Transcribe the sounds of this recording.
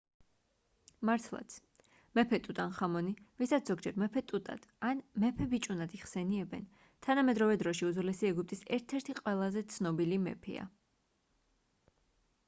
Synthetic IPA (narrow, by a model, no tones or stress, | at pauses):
maɾt̪ʰlˠa̰t̪sʰ | mɛpʰɛt̪ʼut̪ʼanχamɔnivisat̪sʰz̥ɔɡd͡ʒɛɾmɛpʰɛt̪ʼut̪ʼa̰d̪̥anmɛpʰɛbit͡ʃʼunad̪iχsɛniɛbɛ̰n | t̪ʰanamɛd̪ɾɔvɛd̪ɾɔʃiuzulɛsiɛɡup̚t̪ʼisɛɾt̪ʰɛɾt̪ʰiqʼwɛlˠazɛt̪sʰnɔbilimɛ̰pʰɛ̰a̰